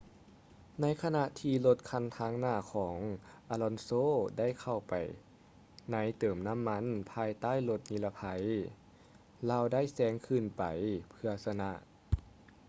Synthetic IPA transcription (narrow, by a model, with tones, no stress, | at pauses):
na˧˥jkʰa˧na˧ʔt̪ʰiː˧lo˧t̪̚kʰa˧˥˨nt̪ʰaː˧˥ŋnaː˧˩kʰɔː˩˦ŋʔaː˧lɔ˧nsoː˧˥˨da˥˩jkʰa˧˩wpa˨˩j | na˧˥˩jt̪ɤː˨˩mna˧˥˨mːa˧˥˨npʰaː˧jt̪aː˥˨jlo˧t̪̚niː˧la˧pʰa˧j | laː˧˨wda˥˩˨jsɛː˧˥ŋkʰɯ˧˩˨npa̰˨˩jpʰɯ˧ɐsa˧na˧ʔ